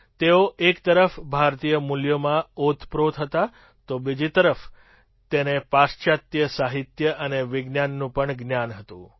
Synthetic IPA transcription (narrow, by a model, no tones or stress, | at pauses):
t̪eoʔekt̪əɾəfbʱaɾt̪ijəmuljəmãot̪ʰpɾot̪ʰɦət̪a | t̪obid͡ʒit̪əɾəf | t̪enepast͡ʃat̪jəsaɦit̪jəʔəneʋɪɡnjanːũpəɳɡnjanɦət̪ṵ̃